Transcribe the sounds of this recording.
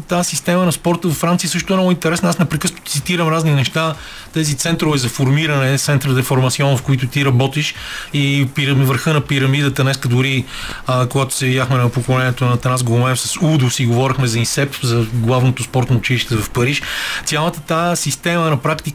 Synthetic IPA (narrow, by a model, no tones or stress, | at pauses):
t̪asist̪ɛmənɐspɔɾt̪əvɐfːɾant̪siəsɤʃt̪ʊɛnɔɡʊint̪ɛɾɛsnɐasnɛpɾɛkɤsnot̪t̪sit̪iɾəmɾazninɛʃt̪a | t̪ɛzit̪sɛnt̪ɾʊvɛzɐfoɾmiɾɐnɛt̪sɛnt̪ɾəd̪ɛfoɾmɐt̪siɔnfkoit̪ʊt̪iɾɐbɔt̪iʃipiɾɐmvəɾxɤnɐpiɾɐmid̪ət̪ənɛskəd̪ʊɾi | koɡat̪ʊ̥sɛvid̪ʲjaxmɛnɐpokolɛniɛt̪onɐt̪nasɡlˠʊmɛfsɐsud̪ʊsiɡovɔɾixmɛzɐinsɛpzɐɡlˠavnot̪ospɔɾt̪nɐʊt͡ʃiliʃt̪ɛvɐfpɐɾiʃt̪sʲjalˠət̪ət̪asist̪ɛmənɐpɾakt̪i